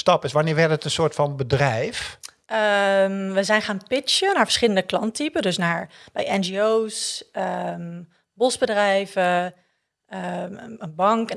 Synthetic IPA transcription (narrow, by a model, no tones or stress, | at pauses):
stɑpɪsʋanɪːɹʋɛɹtətənsʊːɹtfɑnbədrɛjf | əmʋəzɛjnχaːnpɪt͡ʃənaːɹvəɹsχɪləndəklɑntipədɵsnaːɹb̥ɛjɛnd͡ʒiowsəm | bɔsbədrɛjvə | əənbɑŋk